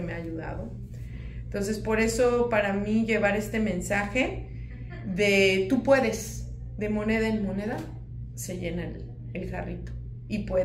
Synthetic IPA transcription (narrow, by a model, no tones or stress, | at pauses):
emeaʝuða̰ðo̞ | ent̪o̞ns̬e̞spo̞ɾe̞so̞paɾamiʝe̞βaɾe̞st̪e̞mẽ̞nsaxe̞ | ðe̞t̪upwe̞ðe̞s | ðe̞mo̞ne̞ðaenmo̞ne̞ða | se̞ʝe̞naḛl | elxa̰rit̪o̥ | ipwe